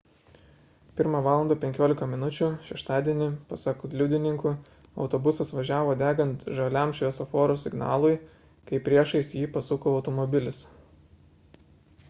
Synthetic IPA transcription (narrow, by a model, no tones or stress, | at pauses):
pʲɪɾmɑːʋɑːlˠɐnd̪ɐːpʲɛŋʲkʲoːlʲɪkɐmʲɪnʊt͡ʃʲuʃʲɛʃt̪ɑːd̪ʲiɛnʲɪpɐsɑkʊɡlʲʊd̪ʲɪnʲɪŋkʊ | ɒ̰ʊt̪ɔbʊsɐsʋɐʒʲæːʋoːd̪ʲæːɡɐnt̪ʒɐlʲɛmʃʲʋʲɛsɔfoːɾosʲɪɡnɑ̰ːlˠʊɪ | kɐɪpʲɾʲiɛʃɐɪsjiːpɐsʊkoːɒʊt̪ɔmɔbʲɪlʲɪs